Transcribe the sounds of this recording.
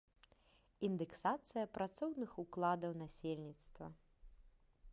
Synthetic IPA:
ind̪ɛksat̪sɨjɐpɾat̪sɔwnɨxuklˠad̪ɐwnasʲelʲnʲit̪st̪vɐ

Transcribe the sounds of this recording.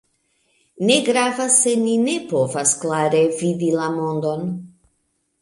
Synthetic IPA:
neɡɾavasːeninepovasklaɾevid̪ilamond̪o̞n

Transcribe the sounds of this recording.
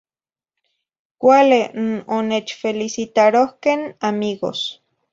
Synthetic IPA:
kʷalenonet͡ʃfelisit̪aɾohkenamiɣo̰s

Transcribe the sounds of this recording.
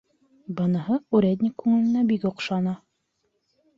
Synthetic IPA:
bɤ̆nɤ̆hɤʉɾʲed̪ʲnʲɪkːʉŋɘ̆lɘ̆næbikŏqʃɑnɑ

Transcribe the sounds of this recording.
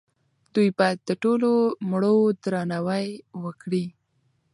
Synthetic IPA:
d̪̥ujbɑjad̪ːəʈolomɽod̪ɾɑnawajwəkɽi

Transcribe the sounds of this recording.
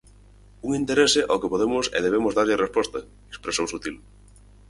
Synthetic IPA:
uŋint̪eɾesɪʔɔkɪpoðemʊsɛ̰ðeβ̞emʊzðaɾʎɪrespɔst̪ɐ | ekspɾesowsut̪il

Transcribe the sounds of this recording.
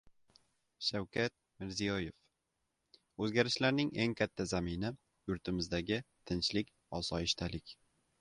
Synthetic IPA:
ʃawkʰʲat̪̚mɪɾzijɒjef | ɵzɡʲaɾɪʃlaɾnɪŋeŋkʲʰat̪ʰːazamɪnɪ | jʊɾt̪ʰɪmɪzd̪aɡʲɪt̪ʰɪnt͡ʃlɪkʲ | ɒsɒɪʃt̪ʰalɪkʲ

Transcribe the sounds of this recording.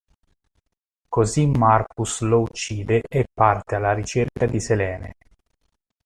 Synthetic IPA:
kozimːarkuslout͡ʃːiːd̪eʔːpːart̪ealːaɾit͡ʃerkad̪iselɛːnḛ

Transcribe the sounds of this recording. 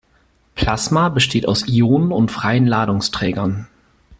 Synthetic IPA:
pʰl̥asmabəʃtʰeːta̰ʊsʔioːnənʊntfʁ̥aɪənlaːɾʊŋstʁ̥ɛːɡɐn

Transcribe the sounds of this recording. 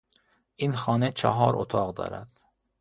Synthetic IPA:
ʔinxɒːnet͡ʃʰɒɦɒːɾʔo̰t̪ʰɒːɣd̪ɒ̰ːɾæ̰d̪̥

